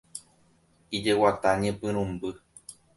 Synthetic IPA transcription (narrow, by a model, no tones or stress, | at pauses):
id͡ʒe̞wat̪aɲẽpɨ̃ɾ̃ũmbɨ